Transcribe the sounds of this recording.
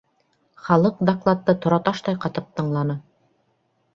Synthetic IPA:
χɑlˠɤq̚d̪aklˠat̪ːɤt̪ŏɾɑt̪ɑʃt̪ɑjqɑt̪ɤp̚t̪ɤ̆ɴlˠɑnɤ

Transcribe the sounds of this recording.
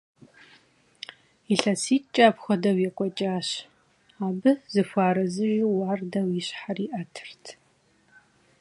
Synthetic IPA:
iɬɐsiːt͡ʃʼaːpxʷɔdɐwjɛkʷʼɔt͡ʃʼaːɕ | aːbɨzɨfʷaːɾɐzɨʒiwaːrdɐwiɕħariːʔɐtʰɨ̥rtʰ

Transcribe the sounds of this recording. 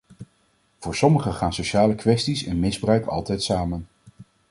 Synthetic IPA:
v̥ʊːɹsɔməχəχaːnsoʃaːləkʋɛstisɛ̰nmɪzbrœɥkɑ̰lˠtɛjtsaːmən

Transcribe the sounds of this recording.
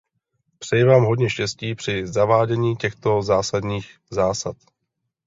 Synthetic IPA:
pr̥ɛjɛvaːmɦodɲɛʃcɛsciːpr̝̥ɪzavaːɟɛɲiːcɛxt̪o̞zaːsadɲiːx | zaːsat̪

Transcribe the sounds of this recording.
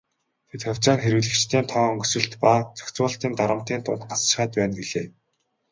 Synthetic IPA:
t̪ʰet̪xœw̥ʲt͡ɕaːnxeɾɘ̆ɮɘ̆kt͡ɕt̪ʰeːnt̪ʰɔːɵŋɡɵ̆sɘ̆ɬt̪pat͡sʰœ̥kt͡sʊːɬt̪iːnt̪aɾə̆m̥t̪iːnt̪ʊ̰nt̪̚ɢasʃ̆χaːt̪pæːnɡiɮeː

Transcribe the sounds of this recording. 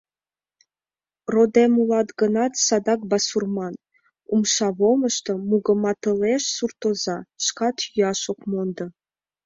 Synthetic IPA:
rod̪emulɑt̪ɡənɑt̪sɑd̪ɑk̚bɑsurmɑn | umʃɑβoməʃt̪əmuɣə̆mɑt̪əleʃsurt̪ozɑʃkɑt̪jyɑʃokmond̪ə

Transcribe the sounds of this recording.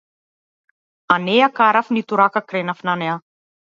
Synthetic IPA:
aneakaɾafnit̪uɾakakɾenafinanea

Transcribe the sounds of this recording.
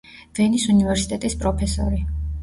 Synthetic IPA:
v̥ɛnisunivɛɾsit̪ʼɛt̪ʼispʼɾɔpʰɛsɔ̰ɾi

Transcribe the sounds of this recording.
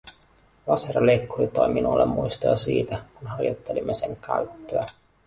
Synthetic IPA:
lɑseɾɑlejkːurit̪ojminulːemːujst̪ojɑsiːt̪ækunɦɑrjo̰t̪ːe̞limːe̞se̞ŋkæyt̪ːøæ

